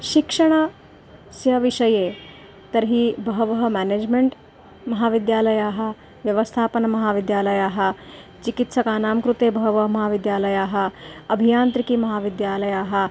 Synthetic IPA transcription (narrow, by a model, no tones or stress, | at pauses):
ʃikʂɐɳ̃ɐ | sjɐʋiʂɐjeː | t̪ɐɾɦibʱɐɦɐʋɐɦɐmæːneːd͡ʒmeɳʈ | mɐɦaːʋid̪jaːlɐjaːɦɐ̆ | ʋjɐʋɐst̪ʰaːpɐnɐmɐɦaːʋid̪jaːlɐjaːɦɐ̆ | t͡ʃikit̪sɐkaːnaːmkɾut̪eːbʱɐɦɐʋɐɦɐmɐɦaːʋid̪jaːlɐjaːɦɐ̆ɐbʱijaːnt̪ɾikimɐɦaːʋid̪jaːlɐjaːɦɐ̆